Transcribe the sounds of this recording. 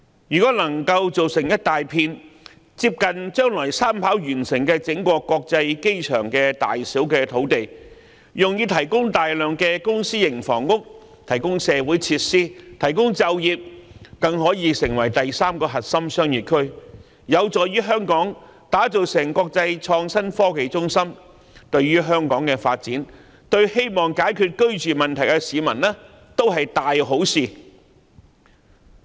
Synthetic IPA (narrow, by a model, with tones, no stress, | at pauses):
jyː˨kɔː˨˥nɐ˨˩ŋkɐ˧wt͡so˨wsɪ˨˩ŋjɐ˥t̚t̪aː˨jpʰiː˧n | t͡siː˧p̚kɐ˨nt͡ʃœː˥ŋlɔː˨˩jsaː˥mpʰaː˨˥wjyː˨˩nsɪ˨˩ŋkɛː˧t͡sɪ˨˥ŋkʷɔː˧kːɔː˧k̚t͡sɐ˧jke˥jt͡ʃʰœ̰ː˨˩ŋkɛː˧t̪a̰ː˨jsiː˨˥wkɛː˧t̪ʰo˨˥wt̪e˨j | jʊ˨ŋjiː˨˧t̪ʰɐ˨˩jkʊ˥ŋt̪aː˨jlœː˨ŋkɛː˧kʊ˥ŋsiː˥jɪ˨˩ŋfɔ̰ː˨˩ŋkʊ˥k̚ | t̪ʰɐ˨˩jkʊ˥ŋsɛː˨˧wuː˨˥jt͡sʰiː˧t̚siː˥t̪ʰɐ˨˩jkʊ˥ŋt͡sɐ˧wjiː˨p̚kɐ˨˧ŋɦɔː˨˥jiː˨˧sɪ˨˩ŋwɐ˨˩jt̪ɐ˨jsaː˥mkɔː˧ɦɐ˨t̚sɐ˥msœː˥ŋjyː˨t̚kʰɵ˥ɥ | jɐ˨˧wt͡sɔː˨jɥyː˥ɦœː˥ŋkɔː˨˥ŋt̪aː˨˥t͡so˨wsɪ˨˩ŋkɔː˧k̚t͡sɐ˧jt͡ʃʰɔː˧ŋsɐ˥nfɔː˥ke˨˧jt͡sʊ˥ŋsɐ˥m | t̪ɵ˧ɥɥyː˥ɦœː˥ŋkɔː˨˥ŋkɛː˧fa̰ː˧t̚t͡siː˨˥n | t̪ɵ˧ɥhe˥jmɔː˨˩ŋkaː˨˥jkʰyː˧t̚kɵ˥ɥt͡ʃyː˨mɐ˨nt̪ʰɐ˨˩jkɛ˧siː˨˧mɐ˨˩nlɛː˥ | t̪o˥wɦɐ˨jt̪aː˨jɦo˨˥wsiː˨